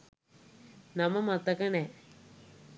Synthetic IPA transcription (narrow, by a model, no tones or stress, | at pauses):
nɐmɐmɐt̪ɐkɐne